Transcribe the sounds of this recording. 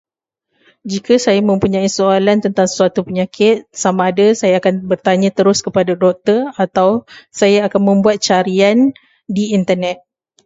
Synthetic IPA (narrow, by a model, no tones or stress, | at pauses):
d͡ʒikʰasajamə̃mpuɲãisoalant̪ənt̪aŋssuat̪upəɲakʰɪt̪̚samãːdasajaːkanbərt̪aɲãt̪əɾʊskəpadadɔk̚t̪ərat̪awsajaːkanmə̃mbuat̪̚t͡ʃaɾian | diːnt̪ərnɛt̪̚